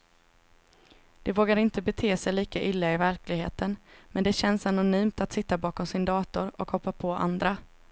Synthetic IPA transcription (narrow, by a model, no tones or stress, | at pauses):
d̪̥ɛvoːɡaɾɪnt̪əbɛt̪ʰeːsɛjliːkaʔɪlːaɪvæɾklɪɡɦḛːt̪ʰənmɛnd̪ɛɕɛnsanʊnyːmt̪at̪sɪt̪ːabɑːkɔmsɪnd̪ɑːt̪ʊɾɔ̰khɔpːapʰɔʔa̰nd̪ɾa